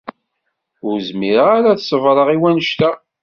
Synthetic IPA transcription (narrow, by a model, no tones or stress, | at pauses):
ʊɾzmiɾʁaɾaθsəvɾˤəʁiwænəʃt̪æ